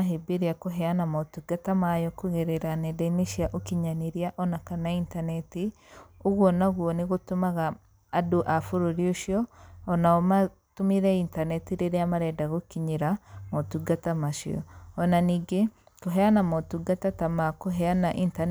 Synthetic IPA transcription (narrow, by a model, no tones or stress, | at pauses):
aɦibiɾiakuɦɛanamotuɡatamajɔkuɣeɾɛɾanɛdɛniʃiaʔokiɲaniɾiaʔɔnakanaintanɛti | uɣwɔnaɣwɔniɣotumaɣaː | duʔafuɾoɾjoʃiɔːnaɔma | tumiɾɛintanɛtiɾeɾeamaɾɛdaɣokiɲiɾamotuɡatamaʃḭɔ̰ɔnaniɡe | koɦɛanamotuɡatatamakoɦɛanaʔintan